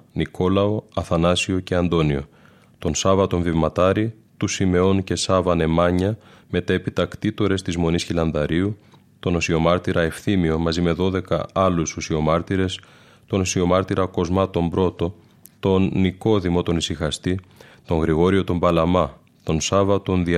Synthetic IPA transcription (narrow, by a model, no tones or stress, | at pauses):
nikʰo̞lɐo̞ɐθɐnɐsio̞ce̞ɐnd̪o̞nio̞̰ | t̪o̞nsɐvɐt̪o̞ɱvivmɐt̪ɐɾi | t̪usime̞o̞nce̞sɐvɐne̞mɐɲɐ | me̞t̪epit̪ɐkt̪it̪o̞ɾe̞st̪izmo̞nisçilɐnðɐɾiu | t̪o̞no̞sio̞mɐɾt̪iɾɐe̞fθimio̞mɐzime̞ðo̞ðe̞kɐ̰ɐlususio̞mɐɾt̪iɾe̞s | t̪o̞no̞sio̞mɐɾt̪iɾɐko̞zmɐt̪o̞mbɾo̞t̪o̞ | t̪o̞nːiko̞ðimo̞t̪o̞nisixɐst̪it̪o̞ŋɣɾiɣo̞ɾio̞t̪o̞mbɐlɐmɐ | t̪o̞nsɐvɐt̪o̞nði